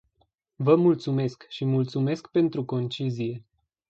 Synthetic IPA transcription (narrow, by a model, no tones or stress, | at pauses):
vəmult̪sume̞skʃimult̪sume̞skpe̞nt̪ɾuko̞nt͡ʃizije̞